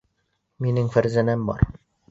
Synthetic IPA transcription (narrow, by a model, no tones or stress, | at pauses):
minɘŋfæɾzænæmbɒ̰ɾ